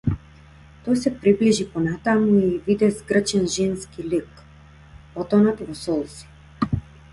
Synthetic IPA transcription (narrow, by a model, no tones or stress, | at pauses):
t̪ɔjsɛpɾibliʒipɔnat̪amuivid̪ɛzɡr̩t͡ʃɛnʒɛnskilik | pɔt̪ɔnat̪vɔsɔlˠsi̥